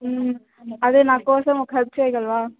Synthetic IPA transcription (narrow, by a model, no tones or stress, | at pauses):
ɐðeːnãːkoːsɐmɔkʰɛl̚t͡ʃɐɪɣɐɭʋaː